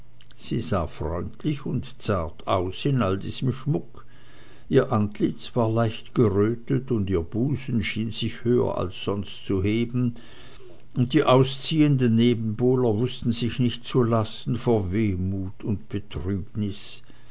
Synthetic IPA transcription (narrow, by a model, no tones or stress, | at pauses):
z̥iːza̰ːfʁ̥ɔ̰ʏntʰlɪçʊntt͡saɐtʰa̰ʊsɪnʔaldiːz̥əmʃmʊk | ʔiːɐʔantlɪt͡sv̥aːɐlaɪçtɡ̥əʁøːtətʊndiːɐb̥uːzn̩ʃiːnz̥ɪçhøːɐ̰ʔa̰lsz̥ɔnstt͡suheːbn̩ | ʊnt̚d̥iːʔaʊst͡siːəndənːeːbn̩boːlɐvʊstn̩zɪçnɪçtt͡sulasn̩foːɐveːmuːtʰʊntb̥ətʁ̥yːbnɪs